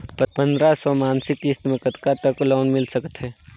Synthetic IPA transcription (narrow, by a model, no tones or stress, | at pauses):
pəɾpə̃nd̪ɾasɔmaːnsɪkːist̪məkət̪kat̪əklɔːnmɪlsəkə̥t̪ɦɛː